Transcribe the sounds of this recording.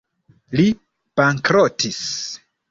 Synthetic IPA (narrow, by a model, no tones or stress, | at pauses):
li | b̥aŋkɾotis